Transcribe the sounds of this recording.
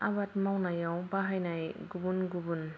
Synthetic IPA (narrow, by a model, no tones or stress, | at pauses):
abat̚mawnajawbaɦajnajɡubunɡubun